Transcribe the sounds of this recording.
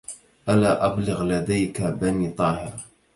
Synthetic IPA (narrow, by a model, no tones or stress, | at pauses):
ʔalaːʔablɪɣlad̪ajkabaniːt̪ˤɑːhɪɾˤ